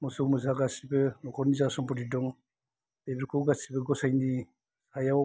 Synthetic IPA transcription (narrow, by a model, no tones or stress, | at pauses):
mɔsɔwmɯzaɡasibɯnɔkʰɔnizasɔmpɔdidɔŋ | dejbiɾkʰuwɡasibɯɡɔsajni | sajaw